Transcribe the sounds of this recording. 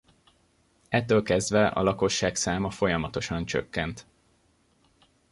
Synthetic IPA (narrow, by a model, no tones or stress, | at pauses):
ɛt̪ːøːlkɛzd̪vɛʔɒ̰lɒko̞ʃːaːksaːmɒfo̞jɒmɒt̪o̞ʃɒnt͡ʃø̰kːɛnt̪